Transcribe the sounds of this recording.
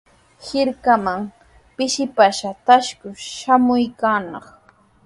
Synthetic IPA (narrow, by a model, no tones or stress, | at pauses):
hɪɾkamaŋ | pɪʃɪpaʃat̪aʃkʊʃamʊjkaːnɑχ